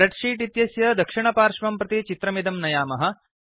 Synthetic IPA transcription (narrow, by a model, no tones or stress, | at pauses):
ɾɐʈʂiːʈit̪jɐsjɐd̪ɐkʂiɳɐpaːɾʂʋɐmpɾɐt̪it͡ʃit̪ɾɐmid̪ɐmnɐjaːmɐɦɐ̆